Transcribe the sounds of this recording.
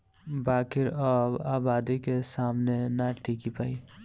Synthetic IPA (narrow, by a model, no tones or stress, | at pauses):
baːkiɾɔːbaːbaːd̪ikesaːmnenaʈʰikipaːi